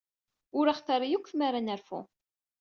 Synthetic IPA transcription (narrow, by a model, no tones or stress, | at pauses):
ʊɾaχθɑɾˤijukʷːθmaɾanæɾfṵ